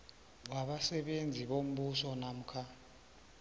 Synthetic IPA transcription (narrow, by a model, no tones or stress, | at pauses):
waβasɛβend͡zʱiβom̩ɓusɔnam̩kʰa